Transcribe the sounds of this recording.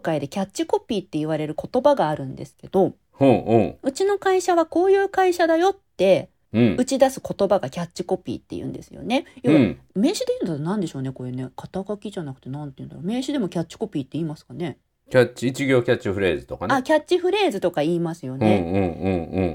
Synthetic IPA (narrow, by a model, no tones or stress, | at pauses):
kaid̪e̞kʲat͡ɕiko̞pʲiːt̪ːe̞iβaɾe̞ɾɯ̟ko̞t̪o̞baɡaːɾɯ̟̃nd̪e̞sɨ̥ke̞d̪̥o̞ | hoːɯ̃ːɯ̟t͡ɕino̞kaiɕaβ̞ako̞ːjɯ̟ːkaiɕad̪ajo̞t̪ːe̞ | ɯ̃ɯ̟t͡ɕid̪asɨ̥ko̞t̪o̞baɡakʲat͡ɕt͡ɕːiko̞pʲḭːt̪ːe̞̰jɯ̟̰̃ːnd̪e̞sɨjo̞̰ne̞jia | me̞ːɕɨ̥t̪ekʲinot̪at̪nãnd̪e̞ɕo̞ːne̞ko̞ɾene̞kʰat̪aɡakʲiʑanakɯ̟̥t̪e̞nãnt̪eiɯ̟nd̪a̰ɾome̞ːɕɨd̪e̞mo̞kʲat͡ɕːi̥ko̞pʲiːt̪ːeiːmasɨ̥kane̞ | kʲat͡ɕiit͡ɕiɡʲo̞ːkʲat͡ɕːiɸɯ̟ɾe̞̰ːzɨt̪o̞kanakʲat͡ɕːiɸɯ̟ɾe̞ːzɨt̪o̞kaiːmasɨjo̞neɯ̃ɯ̃